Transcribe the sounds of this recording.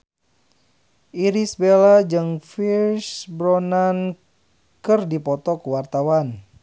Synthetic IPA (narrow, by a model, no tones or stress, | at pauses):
ʔiɾisbelad͡ʒɨŋfirsbɾɔnan | kɨrdipɔt̪ɔkəwart̪awan